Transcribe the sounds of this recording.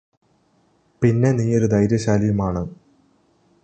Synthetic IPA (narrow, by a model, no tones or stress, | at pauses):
pinːe̞niːo̞ɾud̪ɐjɾjɐɕaːlijumaːɳɨ